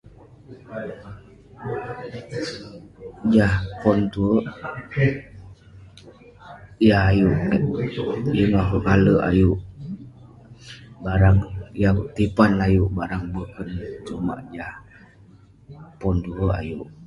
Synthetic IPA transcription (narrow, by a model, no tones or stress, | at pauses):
d͡ʒahpɔnt̪uəʔ | jahajuʔ | jəŋakəkaləa̰juʔ | baɾaŋjat̪ipanajuʔbaɾaŋbəkənt͡ʃuma̰ʔd͡ʒah | pɔnt̪uəʔa̰juʔ